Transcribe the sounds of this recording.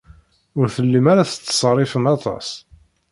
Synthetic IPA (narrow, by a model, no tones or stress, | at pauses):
ʊɾθəlːimaɾaθə̥t͡s̪ːə̥sˤrˤːɪfənɑt̪ˤɑ̰s